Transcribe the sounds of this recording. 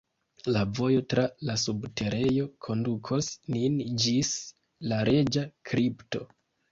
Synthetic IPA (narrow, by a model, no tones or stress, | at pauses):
lavo̞jo̞tɾalasubte̞ɾe̞jo̞kʰo̞ndukʰo̞snind͡ʒis | laɾe̞d͡ʒakɾipto̞̰